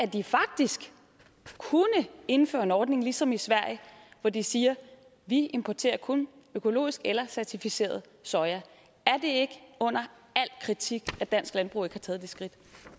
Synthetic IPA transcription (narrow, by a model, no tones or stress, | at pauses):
æɐd̥ifɑ̈ɡ̥̚d̥isɡ̥ | kʰunəe̝n̩fø̰ːɐe̝nɒːd̥ne̝ŋlisɒ̽misʋæɐ̰jəʋɒd̥isiːɐ | ʋie̝mpʰɒt͡sʰe̝̰ːɐkʰonøkʰo̝lo̝̰ːisɡ̥elɐsæɐt͡sʰifise̝̰ːɐð̞̩ˠ | sɒ̽ɪɐ | æɐd̥e̝e̝ɡ̥əɔ̽n̰ɐ | æl̰kʰʁit͡sʰiɡ̥æd̥æn̰sɡ̥lænb̥ʁṵːe̝ɡ̥hɑ̈t͡sʰɛːð̞̩ˠd̥e̝sɡ̥ʁid̥